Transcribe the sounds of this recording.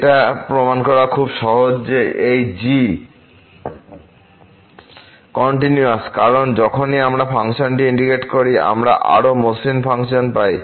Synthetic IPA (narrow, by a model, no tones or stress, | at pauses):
eʈapɾomankɔɾakʰubʃɔɦod͡ʑd͡ʑeejd͡ʑi | kɔɳʈinjuaskaɾond͡ʑɔkʰoniamɾafaŋʃonʈiiɳɖikeʈkoɾia̰mɾa̰ʔa̰ɾomuslimfaŋʃonpaj